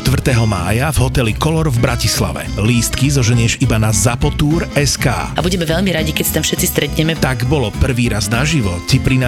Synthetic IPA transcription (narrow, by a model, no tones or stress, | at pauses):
t̪ʋr̩t̪ɛɦɔma̰ːjavɦɔt̪ɛlikɔlɔɾvbɾacisla̰ʋɛ̰liːst̪kizɔʒɛɲɪɛʒibanazapɔt̪uːɾɛska̰ːabuɟɛmɛvɛʎmiɾaɟikɛcst̪amfʃɛt̪t͡sist̪ɾɛt̪ɲɛmɛt̪aɡbɔlɔpr̩ʋiːɾaznaʒiʋɔcipɾina